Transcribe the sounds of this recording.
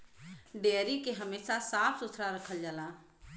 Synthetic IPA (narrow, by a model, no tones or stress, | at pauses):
ɖeəɾikeɦəmesasapʰsut̪ʰɾaɾəkʰəld͡ʒaːla